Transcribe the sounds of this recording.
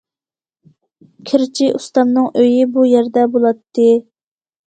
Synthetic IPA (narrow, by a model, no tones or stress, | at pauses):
kʲʰɪɾt͡ʃʰiʔust̪ɑmnɨŋʔøjibujɛɾd̪ɛbolˠɑt̪ʰːɨ